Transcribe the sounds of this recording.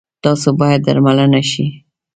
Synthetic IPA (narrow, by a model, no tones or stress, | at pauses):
t̪ɑsobɑjad̪̚ːa̰ɾmalanaʃi